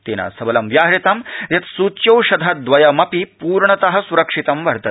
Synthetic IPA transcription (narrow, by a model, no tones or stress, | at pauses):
t̪eːnɐ̰sɐbɐlɐmʋjaːɦɾit̪ɐmjɐt̪suːt͡ʃjɐwʃɐd̪ʱɐt̪̚d̪ʋɐjɐmɐpipuːɾɳɐt̪ɐɦɐ̆suɾɐkʂit̪ɐmʋɐɾt̪ɐ